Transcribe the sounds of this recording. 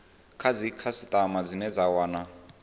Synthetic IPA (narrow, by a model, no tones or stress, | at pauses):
kʰad͡zikʰasit̪ʼamad͡zinɛd͡zawaːna